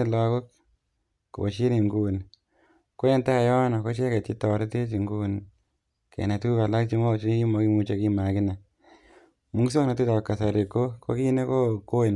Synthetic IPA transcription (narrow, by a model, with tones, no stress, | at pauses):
la˧ko˦k | ko˨bo˨ʃi˦ni˨ŋɡu˦n | ko˦e˦nta˦˨jɔ˦nɔ˨ko˦ʃe˦kɛ˨ti˦tɔ˨ɾe˦te˦t͡ʃi˨ŋɡu˦n | kʰḛ˨na˨tu˦ka˨la˦kt͡ʃi˦mɔ˦t͡ʃi˦i˦ki˦mɔ˧˦ki˦mu˧t͡ʃe˧ki˦ma˨kɪ˦na˨ | mu˦ŋ˦s̬o˦kna˨ti˦tɔ˨kːa˨sa˨ɾi˨ko˦kʰo̰˦ki˦ne˦ko˦ko˦˨n